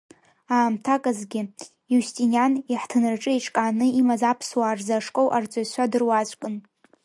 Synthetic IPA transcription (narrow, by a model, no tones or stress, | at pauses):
aːmtʰakʼazɡʲɪ | justʼinjaniħtʰɨnɨrʈ͡ʂʼɨiʈ͡ʂʰʼkʼaːnɨimazapʰswaːrzaʂkʼowʔart͡sʷʼaɕʷadɨrwat͡ʃʷʼkʼɨn